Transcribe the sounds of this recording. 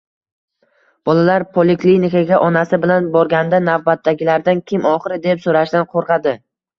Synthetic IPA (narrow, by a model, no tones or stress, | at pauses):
b̥ɒlalaɾpʰolˠɪklinɪkaɡʲaʔɒnasɪbɪlanbɒɾɡʲand̪anavbat̪ʰːaɡʲɪlaɾd̪ankʲʰɪmɒχɨɾɪd̪epsoɾaʃd̪anqʰoɾqʰɑd̪ɪ